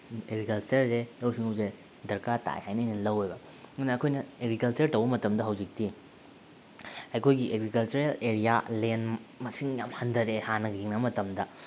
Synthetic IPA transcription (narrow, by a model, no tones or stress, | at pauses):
eɡɾikɐlt͡ʃɐɾselowsiŋɐbze | dɐɾkata̰jhajnɐjnɐnlɐwejbɐ | ŋɐnɐːkʰojnɐeɡɾikɐlt͡ʃɐɾtɐwbɐmɐtɐmdɐɦɐwd͡ʒik̚ti | ɐjkʰojɡiʔeɡɾikɐlt͡ʃɐɾeleɾijalenmɐsiŋjamhɐndɐɾehanɐɡɐɡiŋnɐmɐtɐmdɐ